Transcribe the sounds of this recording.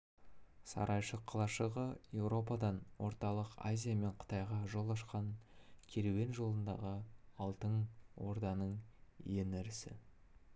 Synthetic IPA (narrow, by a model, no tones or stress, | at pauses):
sɑ̰ɾʔɑjʃəqʰːɑlˠɑʃəʁəje̞wɾo̞p̬ɑd̪ɑnwʔo̞̰ɾt̪ɑlˠəqa̰zʲijame̞ɴqʰə̥t̪ɑjʁɑʒo̞lˠɑʃqɑŋkʲʰeɾewe̞nʒo̞lˠənd̪ɑ̰ʁəɑlˠt̪əɴwo̞̰ɾd̪ɑnəɴjenɪɾɪsɪ̰